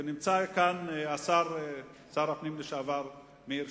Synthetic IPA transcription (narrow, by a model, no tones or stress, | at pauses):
enimt͡sakanasaʁ | saʁapnimləʃeavaʁ | miɾ